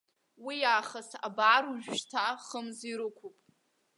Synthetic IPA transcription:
wijaːχasa̰baːɾuʒᶣʃtʰaχəmziɾɨkʷʰupʼ

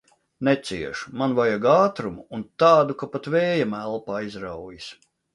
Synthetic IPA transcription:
nɛt̪siɛʃmanvajaɡaːt̪ɾumuːnt̪aːd̪ukapat̪vɛːjamælˠpaːizɾawjis

